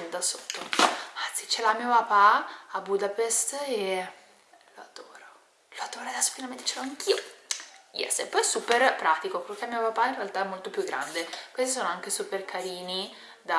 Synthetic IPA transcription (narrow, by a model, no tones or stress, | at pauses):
d̪asot̪ːoant̪sit͡ʃelamiːopapaabud̪apest̪e | load̪oːɾo | load̪oːɾaad̪ɛsːo̥finalment̪e̥t͡ʃeloaŋk̟ʰiːo | jɛ̰sːepːɔjɛsuːperpɾaːt̪ikopelokeamiopapainrealt̪aɛmːolt̪opjuɡːɾa̰nd̪ekwest̪isoːnoaŋk̟esuperkʰaɾiːni | d̪a